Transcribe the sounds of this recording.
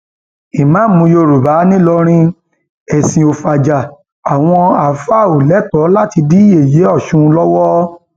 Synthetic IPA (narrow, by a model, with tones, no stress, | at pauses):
i˨mã˦mũ˧jo˧˨ɾu˨ba˨˦nĩ˦lɔ˧ɾ̃ĩ˦ | ɛ˨sĩ˨o˧fa˨d͡ʒa˨ | a˨w̃ɔ̃˧a˨fa˦˨o˨lɛ˨˦tɔ˨˦la˦ti˧di˦je˨je˨˦ɔ˦˨ʃũ˧lɔ˦wɔ˦